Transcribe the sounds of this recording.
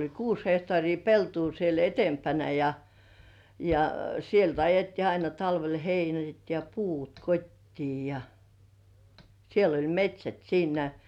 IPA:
olʲ kuːs hehtŏɑˑriː peltuː siel etempænæ jɑ jɑ sielt ɑjetːiː ɑinɑ tɑlʋel heinæt jɑ puːt kotʲtiː jɑ siel olʲ metʲsʲæt siːnæ

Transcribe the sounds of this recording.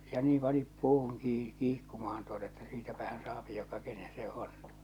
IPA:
jɑ niːm pɑni puːhuŋ kiː kiːkːumɑhɑn tuotɑ etːæ siːtæpæhæn sɑːpi jokɑ kenen se on

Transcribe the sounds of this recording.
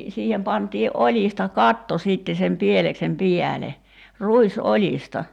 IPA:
siːhem pɑntˑiːʔ ʔolʲistɑ kɑtːo siˑtːe sem pieleksem piæle ruisolʲistɑ

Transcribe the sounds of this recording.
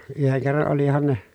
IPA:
yheŋ kerːɑn olihɑn ne

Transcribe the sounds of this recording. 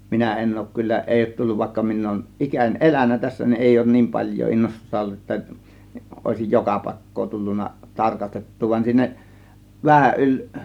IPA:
minæ en oˑŭk kylːæ ʔeˑi oˑŭt tulːuʋ ʋɑˑe̝kːɑ min oˑŭn ʔikænʲ ʔelænˑæ tæsːæ nin eˑi oˑŭn niːm pɑlʲjˑoː inːostustɑ olːu etːæ ʔoˑe̝sij jokɑ pɑˑe̝kːoː tulːunːɑ tɑrkɑstetːuː ʋɑn siːnæ ʋæhæʔ ʔylʲ

